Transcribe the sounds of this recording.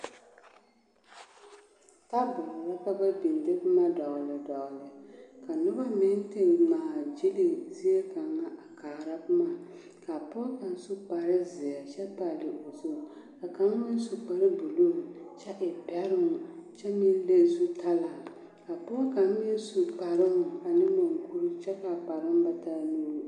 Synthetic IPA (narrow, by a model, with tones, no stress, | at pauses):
ta˦bɔ˨lla˦ka˦ba˦bi˨n˨dɪ˦kma˦dɔ˨ɣlɨ˨dɔ˨ɣlɨ˨ka˨nʊ˦ba˦mɪ˦n˦te˦ŋ˨maː˨d͡ʒi˦li˦zɪ˦e˦ka˨ŋːa˦ʔa˨kaː˨ɾa˦kʊ˦maː˦˨ | ka˨pʊ˦ka˨n˦su˦k͡pa˨ɾɨ˦zɪ˨a˨t͡ʃɛ˦pa˨lɨ˨ʔo˨zo˦˨ | ka˨ka˦ŋ˦mɪ˦n˦su˨k͡pa˨ɾɨ˦bʊ˨lu˦˨m˨t͡ʃɛ˦ʔɪ˨pɛ˦ɾɨ˦ŋʊ˨t͡ʃɛ˦mɪ˦n˦le˦zu˦ta˦la˨ | ka˨pɔ˦ka˨˦mɪ˦n˦su˨k͡pa˨ɾɨ˦ŋʊ˨a˨nɨ˦mo˨ŋ˨ku˦ɾu˦t͡ʃɛ˦ka˨pa˨ɾɨ˦m˦ba˦ta˦nu˦ɾ